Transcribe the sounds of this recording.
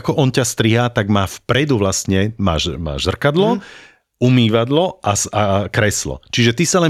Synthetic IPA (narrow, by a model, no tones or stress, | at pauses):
kɔʔɔncast̪ɾiɦaːt̪aɡmaːfpɾɛd̪uʋlastɲɛma̰ːʒma̰ːʒzr̩kad̪lɔ | umiːʋad̪lɔʔasakɾɛslɔ̰t͡ʃiʒɛt̪isalɛ